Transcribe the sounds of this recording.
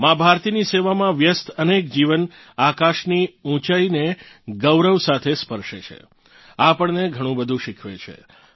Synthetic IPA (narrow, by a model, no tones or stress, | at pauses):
mãbʱaɾt̪iniseʋamãʋjəst̪ʰənek̚d͡ʒiʋən | akaʃniũt͡ʃaineɡəʋɾəʋsat̪ʰespəɾʃet͡ʃʰḛ | apəɳneɡʱəɽ̃ũbəd̪ʱũʃɪkʰʋet͡ʃʰḛ